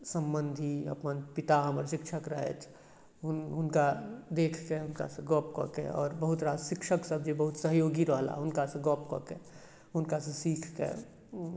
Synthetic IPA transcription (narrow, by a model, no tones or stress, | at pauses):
sə̃mbənd̪ʱiɐ̰pənpɪt̪aɦəməɾʃɪkʃʰəkɾəɦḛt͡ʃʰ | ɦʊnɦʊnkad̪eːkʰkeɦʊnka̰seɡɔːpkɔ̰kḛɔ̰ːɾbəɦʊt̪ɾaːd̪ʃɪkʃəksəbd͡ʒebəɦʊt̪səɦjoːɡiɾəɦla̰ɦʊnkaseɡɔːpkɔ̰kḛ | ɦʊnkasesiːkʰkḛ